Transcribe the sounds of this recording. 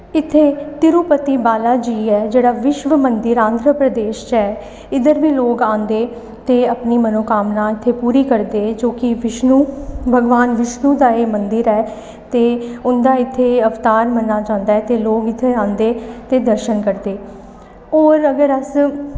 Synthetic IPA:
ɪt̪ʰːeːt̪ɪɾuːpət̪iːbaːlaːd͡ʒiːɛːd͡ʒeːɽaːʋɪʃʋəmənd̪ɪɾãːnd̪ɾəpɾəd̪eːʃt͡ʃɛː | ɪd̪əɾʋiːloːkãːnd̪eː | t̪eːəpniːmənoːkaːmnaːɪt̪ʰːeːpuːɾiːkəɾd̪eːd͡ʒoːkɪʋɪʃnuːbʱəɡʋaːnʋɪʃnũːd̪aːeːmənd̪ɪɾɛː | t̪eːʊnd̪aːɪt̪ʰːeːəft̪aːɾmənːaːt͡ʃãːnd̪aːɛːt̪eːloːɡɪt̪ʰːeːãːnd̪eːt̪eːd̪əɾʃənkəɾd̪eː | oːɾəɡəɾəs

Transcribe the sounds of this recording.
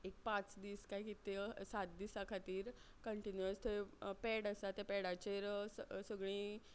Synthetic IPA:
ek̚pãt͡sd̪iːskajkit̪esat̪̚d̪iːsakʰat̪iːɾ | kəɳʈinjuəst̪epeɽəsat̪epeɽat͡ɕeɾsəɡɭ̃ĩː

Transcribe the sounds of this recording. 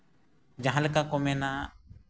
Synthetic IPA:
d͡ʒaɦãlɛkakɔmɛna

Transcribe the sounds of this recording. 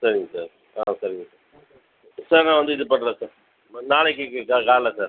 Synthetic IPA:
sɐɾɪŋɡɐsaːɾ | aːsɐɾɪŋɡɐsaː | saːɾnãːʋɐnd̪ɯɪðɯpɐʈːlẽːsaːɾ | naːɭɛk̬ʲːɯkːɯkakaːɾlɐsaːɾ

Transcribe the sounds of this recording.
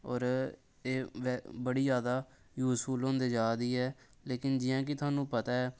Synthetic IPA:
ɔ̰ːɾ | eːʋɛbəɽiːzjaːd̪aː | juːsuːlõːnd̪eːd͡ʒaːd̪iːɛː | leːkɪnd͡ʒɪjãːk̬ɪt̪ʰʊaːnũːpət̪aːɛː

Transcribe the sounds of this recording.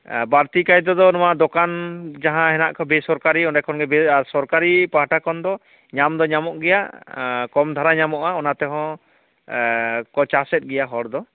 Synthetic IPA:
baɾt̪ikajd̪ɔd̪ɔnɔwaʔd̪ɔkand͡ʒaɦãɦɛnaʔkʰɔbesɔɾkaɾiɔnɖajkʰɔnɡɛbɛaɾsɔɾkaɾipaɦaʈakʰɔnd̪ɔ | ɲamd̪ɔɲamɔʔɡɛjaʔkɔmd̪ʱaɾaɲamɔʔaɔnat̪ɛɦɔ̃ | kɔt͡ʃasɛt̪̚ˀɡɛjaɦɔɾd̪ɔ

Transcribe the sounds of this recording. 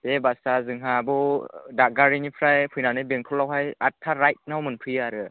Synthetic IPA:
debasazɯŋɦabɔdak̚ɡaɾinipʰɾajpʰɯjnanɯbeŋkʰɔlːawɦajatʰːaɾajt̚nawmɯnpʰɯjaɾɯ

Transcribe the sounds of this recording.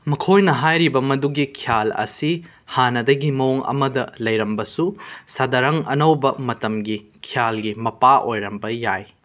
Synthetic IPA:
mɐkʰojnɐɦajɾibɐmɐduɡikʰijalɐ̰si | hanɐdɐɡimɐwŋɐ̰mɐdɐlɐjɾɐmbɐsusadɐɾɐŋɐ̰nɐwbɐmɐtɐmɡikʰijalɡimɐpaʔojɾɐmbɐjaj

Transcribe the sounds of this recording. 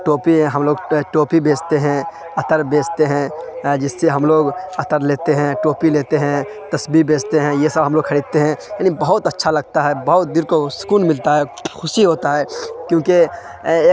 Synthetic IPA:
ʈoːpiɦɐmloːɡʈoːpibeːd͡ʒt̪eɦɛ̃ | ɐt̪əɾbeːd͡ʒt̪eɦɛ̃d͡ʒɪsːeɦɐmloːɡɐt̪əɾleːt̪eɦɛ̃ʈoːpileːt̪eɦɛ̃ | t̪ɐsbibeːd͡ʒt̪eɦɛ̃jesəbʱɦɐmloːɡ̚kʰɐɾiːd̪̚t̪eɦɛ̃jaːnibɐɦʊt̪ɐtːʃʰalɐɡ̚t̪aɦɛbɐɦʊt̪̚d̪ɪɾkosʊ̥kuːnmɪlt̪aɦɛxʰʊʃiɦoːt̪aɦɛːkjõːke | eː

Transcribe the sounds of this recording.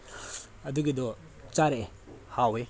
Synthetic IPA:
ɐd̪uɡed̪ɔ | t͡ʃaɾe | hawe

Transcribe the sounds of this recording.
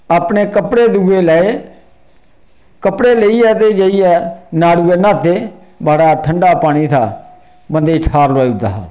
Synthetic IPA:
aːpɳeːkəpɽeːd̪uːɡeːlɛːeː | kəpɽeːleiːɛːt̪eːd͡ʒəiːɛːnaːɽuːeːnãːt̪eː | baːɽaːʈʰəɳɖaːpaːɽ̃iːt̪ʰa̰ː | mənd̪eːʈʰaːɾlowaːiːʊd̪a̰ːɦaː

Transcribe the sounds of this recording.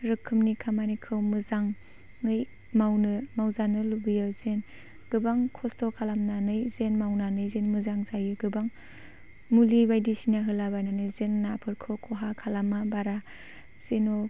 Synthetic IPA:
ɾɯkʰɯmnikʰamanikʰɯwmɯzaŋː | ɯj | mawnɯmawzanɯlubɯjazen | ɡ̥ɯbaŋkʰɔstʰɔkʰalamnanɯjzenmawnanɯjzenmɯzaŋzajɯɡɯbaŋ | mulibajdisinaɦɯlabajnanɯjzenːapʰɯɾkʰɯwkʰɔɦakʰalamabaɾa | seno

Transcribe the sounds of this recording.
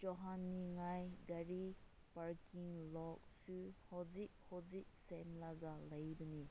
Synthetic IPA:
d͡ʒɔɦanːiŋajɡaɾi | paɾkiŋlɔk̚suhɔzik̚hɔzik̚semlaɡalɐjbɐni

